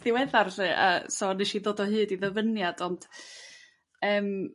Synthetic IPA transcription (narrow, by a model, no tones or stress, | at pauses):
ðɪwɛðarθɨa̰sonɨʃiðoːdɔhɨːdiðəvənjadɔnd̥ | əːm